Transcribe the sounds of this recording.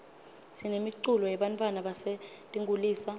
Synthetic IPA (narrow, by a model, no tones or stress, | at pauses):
sinemiǀulɔjɛɓantʼwanaɓase | tʼiŋɡʱuliːsa